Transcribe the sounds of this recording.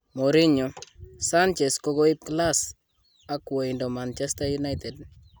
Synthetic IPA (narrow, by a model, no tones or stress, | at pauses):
moɾiɲɔsant͡ʃɛskokoip̚klas | akwɔindɔmant͡ʃɛstajunajtɛd̚